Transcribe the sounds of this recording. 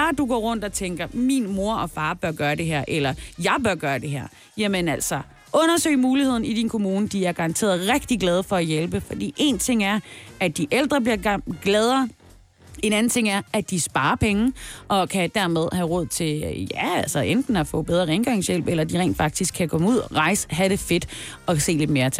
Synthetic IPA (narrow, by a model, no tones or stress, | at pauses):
ɑd̥uɡ̥ɔ̰ːʁɔ̽n̰d̥ɒ̽t͡sʰeŋɡ̥ɐminmo̝ɐʔɒ̽fɑ̈ːb̥ɶɐɡ̥ɶːɐde̝ɦæɐ̰ʔelɐjɑ̈ɪb̥ɶɐɡ̥ɶːɐd̥e̝ɦæ̰ɐ̰ | jæmənæl̰sɒ | ʔɔ̽nɐsøɪ̰muːlihe̝ð̞̰ˠn̩id̥inkʰo̝muːnəd̥iæɐɡ̥ɑ̈ʁɑ̈nt͡sʰe̝̰ɐðˠʁɛɡ̥̚d̥iɡ̥lɛːð̞ˠfɒ̽æjelb̥əfɒ̽d̥ḭːʔe̝nt͡sʰe̝ŋ̰æɐʔæd̥iʔeld̥ʁɐb̥liɐɡ̥lɛːð̞ˠɐː | e̝næn̩t͡sʰe̝ŋ̰æɐæd̥isb̥ɑ̈ːɐpʰeŋʔɒ̽kʰæd̥æɐmeð̞ˠhæʁɔ̽ð̞̰ˠt͡sʰe̝jæælsɐʔend̥n̩æfɔ̰̽ːb̥eð̞ˠʁɐeŋɡ̥ɑ̈ŋsjel̰b̥elɐd̥iʁɛ̰ːnd̥fɑ̈ɡ̥̚d̥isɡ̥ʰːækʰɒ̽muð̰ˠʁɑ̈ɪsə̥ɦæɾ̥e̝fe̝d̥ | ɒ̽se̝̰ːle̝d̥me̝ːɐt͡sʰ